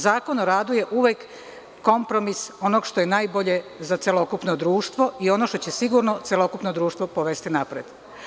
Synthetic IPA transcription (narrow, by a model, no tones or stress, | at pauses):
zaːko̞noɾaːd̪uje̞ʔuʋekː | o̞mpɾo̞miso̞no̞ɡʃt̪o̞jenaːjbo̞ʎezat̪sʲjelo̞kupnod̪ɾuːʃt̪ʋo̞io̞no̞ʃt̪o̞t͡ɕesiɡuɾno̞t̪sjelo̞kupnod̪ɾuːʃt̪ʋopoʋest̪inapɾed̪̥